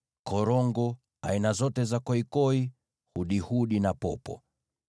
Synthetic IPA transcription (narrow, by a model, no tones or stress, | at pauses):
kɔɾɔŋɡɔ | ainazɔtɛzakɔikɔi | huɗihuɗinapɔpɔ̰